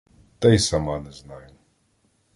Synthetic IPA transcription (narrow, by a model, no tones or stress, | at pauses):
t̪ɛjsamanɛznajʊ